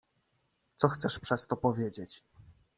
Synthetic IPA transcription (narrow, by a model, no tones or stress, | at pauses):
t̪sɔxt̪sɛʂpʂɛst̪ɔpɔvʲjed͡ʑet͡ɕ